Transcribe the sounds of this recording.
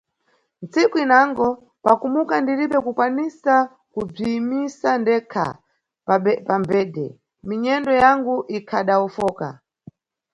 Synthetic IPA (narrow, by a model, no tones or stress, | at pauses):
nt͡sikuinaŋɡɔ | pakumukandiɾiɓɛkukwanisa | kub͡ʐiːmisandɛkʰa̰ | pambɛːdɛ̰ | miɲɛndɔjaŋɡuʔikʰaɗaufɔːka̰